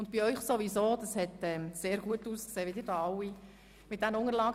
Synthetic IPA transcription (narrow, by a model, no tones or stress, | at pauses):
ʊnt̚b̥iœʏχsoʋisoːd̥̪ɑshɛtɛmseːɾɡuətuːskseːʋɪdɪːɾdɑːɑwi | mɪt̪̚d̥̪ænəʊŋəlɑːɡ